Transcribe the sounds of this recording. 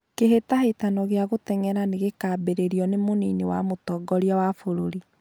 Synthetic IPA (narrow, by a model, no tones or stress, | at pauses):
keɦetahetanɔɣeaɣotɛŋɛɾaneɣekaːbeɾeɾiɔnemoninewamotɔːɡɔɾiawafoɾoɾi